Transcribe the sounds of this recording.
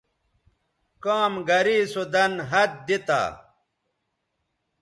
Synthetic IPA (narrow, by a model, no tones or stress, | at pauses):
kaːmɡɐɾiːsud̪ɐnɦɐt̪̚d̪it̪a̰ː